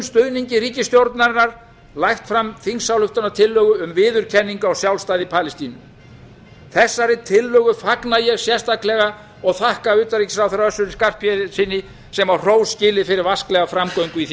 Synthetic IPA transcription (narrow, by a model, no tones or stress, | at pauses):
mst̪ʏðniɲcɪɾiːcɪst̪jowɾt̪naɾɪnaɾ̥ | lajxt̪fɾamθinsawlʏft̪anaɾt̪ʰɪlːœɣʏʏmvɪːðʏɾ̥cʰɛnːiŋkaawsjawlst̪aːðipʰaːlɪst̪inʏ | θɛsːaɾɪt̪ʰɪlːœːɣʏfaknajɛɣsjɛst̪aklɛɣa | ɔɣθahkaʏːt̪aɾriːcɪ̥sawθɛɾrɾaœsːʏɾɪskar̥pʰjɛsɪnːɪ | sɛmar̥oːwscɪːlɪfɪɾɪɾvasklɛɣafɾamkoɥŋkʏiθ